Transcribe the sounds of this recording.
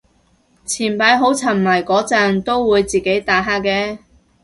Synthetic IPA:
t͡sʰiː˨˩npaː˨˧jɦo˨˥wt͡sʰɐ˨˩nmɐ˨˩jkɔː˨˥t͡sɐ˧nt̪o˥wwuː˨˧jt͡siː˨ke˨˥jt̪aː˨˥ɦaː˥kːɛː˧

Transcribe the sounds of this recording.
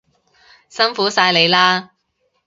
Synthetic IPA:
sɐ˥nfuː˨˥saː˧jle˨˧jlaː˥

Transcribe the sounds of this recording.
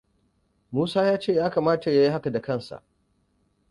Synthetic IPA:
muː˦saː˦jaː˦t͡ʃeː˦˨jaː˦kaː˨maː˦ta˨ja˦ji˦ha˦ka˨da˨kɐ˦˨nsa̰˨ʔ

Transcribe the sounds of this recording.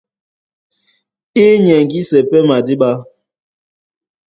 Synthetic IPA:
i˦ɲɛ˨ŋ˨ɡi˦sɛ˨pɛ˦ma˨di˦ɓa˦

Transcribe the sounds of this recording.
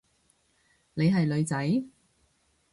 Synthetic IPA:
ne˨˧jɦɐ˨jlɵ˨˧ɥt͡sɐ˨˥j

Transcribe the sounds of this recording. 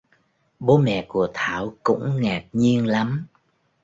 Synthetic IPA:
ɓo˨˦mɛ̰˧˨ku˧˩ət̪ʰaː˧˩˨wkʊ̰˧˥ŋ͡mŋaː˨˩k̚ɲi˧ənla˨˦m

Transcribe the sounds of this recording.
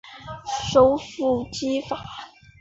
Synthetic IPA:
ʂo˥ʊfu˥˩t͡ɕi˥fa˨˩˦

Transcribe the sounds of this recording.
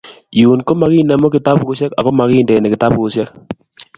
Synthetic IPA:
ju˨nko˦ma˨ki˦˨na˨mɔ˦kɪ˨ta˦pko˦sɛ˦ka̰˨ko˦ma˨kɪ˦ndɛ˨nɛ˨kɪ˨ta˦pu˦sɛ˦k̚

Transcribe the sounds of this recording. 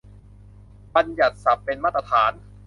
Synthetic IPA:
ba˧nja˨˩t̪̚sa˨˩pːe˧nmaː˥˩t̪ːa˧t̪ʰaː˩˦n

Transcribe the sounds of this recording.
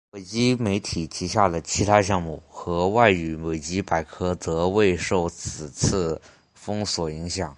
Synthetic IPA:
we˨˩ɪt͡ɕi˥me˧˥ɪt̪ʰi˨˩t͡ɕʰi˧˥ɕja˥˩lə˩t͡ɕʰi˧˥t̪ʰa˥ɕjɑ˥˧ŋmu˥˩xɤ˧˥wa˥˩ɪy˧˥we˨˩ɪt͡ɕi˥pa˨˩ɪkʰɤ˥t͡sɤ˧˥we˥˧ɪʂo˥˩ʊt͡sʰɹ̩˨˩t͡sʰɹ̩˥˩ | fɤ˥ŋswɔ˨˩i˧˥ŋɕjɑ˨˩˦ŋ

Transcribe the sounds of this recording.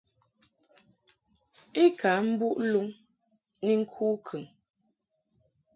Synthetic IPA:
e˦kʰa˨˦m̩˦bu˦ʔlu˦ŋ | ni˦ŋ̩˦kʰuː˦kʰʉ˨ŋ

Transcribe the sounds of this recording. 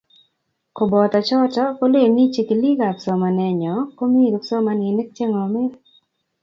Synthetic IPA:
ko˨bɔ˨t̪a˨t͡ʃɔ˦tɔ˦ko˦le˦˨ni˦t͡ʃe˨ki˨li˦ɡa˨psɔ˨ma˨nɛ˨˧ɲɔ˨ko˦mi˦˨ɾɔ˨psɔ˦ma˧nɪ˨nɪ˦k̚t͡ʃe˦ŋɔ˨mɪ˦t

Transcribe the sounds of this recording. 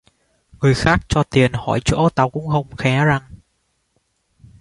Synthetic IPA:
ŋɨ˨˩əjxaː˦˥k̚t͡ɕɔ˧t̪i˨˩ənhɔ˧˩jt͡ɕo̰˧˥t̪a˨˩wkʊ̰˧˥ŋ͡mhə˧wŋ͡mxɛ˨˦za˨˩ŋ

